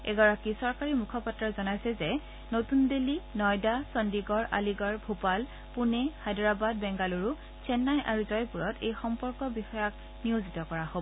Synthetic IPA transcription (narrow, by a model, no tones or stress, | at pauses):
ɛ̰ɡɔɹakisɔɹkaɹimukʰɔpɔtːɹɔzɔnajsɛzɛ | notundelinɔjdasɔndiɡɔɹʔa̰liɡɔɹbʱupal | punɛxajdɹabad̚bɛŋɡaluɹu | t͡ʃɛnːajʔaɹuzɔjpuɹɔtḛjxɔmpɔɹkɔbixɔjak̚ | nijozitɔkɔɹaɦobɔ